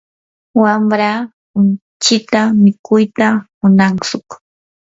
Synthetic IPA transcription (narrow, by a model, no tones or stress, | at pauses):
wamɾa | ʊn | t͡ʃɪt̪amɪkʊjt̪amʊnaŋsʊk